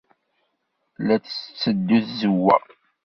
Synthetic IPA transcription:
læt͡sə̥t͡sːəd̪ːuθzəwːæ̰

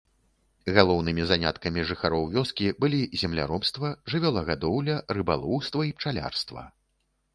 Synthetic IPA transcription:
ɣalˠɔwnɨmʲizanʲa̰t̪kɐmʲiʐɨxaɾɔwvʲɔskʲibɨlʲizʲɛmlʲa̰ɾɔpst̪vɐʐɨvʲɔlˠɐɣad̪ɔwlʲɐrɨba̰lˠɔwst̪vɐipt͡ʂalʲa̰rst̪vɐ̰

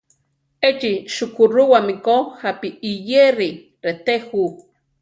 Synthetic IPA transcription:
et͡ʃiʃukuɾuwamikohapiːjeɾi | ɾet̪ehu

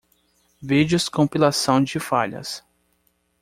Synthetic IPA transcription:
vid͡ʒʊskõpilasɐ̃w̃d͡ʒɪfaʎɐ̰s

